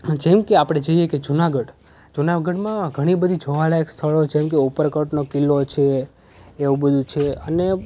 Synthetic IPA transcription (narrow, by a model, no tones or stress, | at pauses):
d͡ʒemkeapɽ̃ed͡ʒəɦijeked͡ʒunaɡəɽ | d͡ʒunaɡəɽmãɡʱəɽ̃ibəd̪ʱid͡ʒʱoʋalaekst̪ʰəɭot͡ʃemk̬eupəɾkəʈnokilːot͡ʃʰeː | ʋũbəd̪ʱũt͡ʃʰeəne